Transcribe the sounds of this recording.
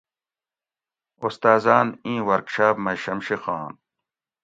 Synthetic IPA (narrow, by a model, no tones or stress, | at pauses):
ust̪aːzaːnĩːwɐɾkɕaːpmɐɕɐmɕixɑːn